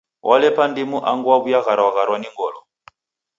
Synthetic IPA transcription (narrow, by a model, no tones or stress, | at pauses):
wʔalɛpʰandimuʔaŋɡuaβujaɣaɾawaɣaɾwaniŋɡɔːlɔ